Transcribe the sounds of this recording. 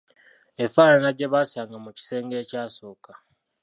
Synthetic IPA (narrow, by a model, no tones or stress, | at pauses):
efaːnanaɟe̞βaːsaːŋɡamuci̥se̞ːŋɡe̞ːcaːso̞ːka